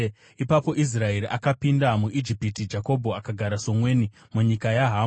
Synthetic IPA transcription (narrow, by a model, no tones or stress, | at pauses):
ipapo̞ʔis̬rae̞ɾiʔakapindamuʔid͡ʒipitid͡ʒako̞bʱoakaɡʱaɾaso̞mwe̞ːni | muɲikajaɦa